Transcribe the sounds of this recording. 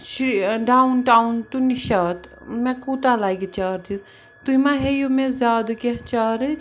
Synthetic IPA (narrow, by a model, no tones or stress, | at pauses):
ʃɖaːunʈaːwnt̪uniʃaːt̪ | mẽkut̪alaːikit͡ʃaːɾt̪ʰis | t̪uimãɦejomẽzʲaːd̪keɦt͡ʃaːɾɨ